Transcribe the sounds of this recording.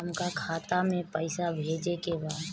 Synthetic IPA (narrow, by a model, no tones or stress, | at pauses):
əmkakʰaːt̪amẽpəɪsabʱeːd͡ʒekebaːd̪